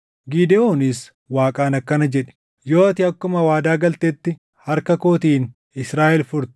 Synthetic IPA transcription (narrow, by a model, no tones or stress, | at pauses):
ɡiːd̪ɛoːnɪs | waːkʼaːnɐkːɐnɐd͡ʒɛᶑɛ̥ | jo̞ːɐt̪ɪɐkːʊmɐwaːd̪aːɡɐlt̪eːt̪ːɪ | hɐɾkɐko̞ːt̪iːn | ɪsɾaːʔɛlfʊɾt̪ɪ̥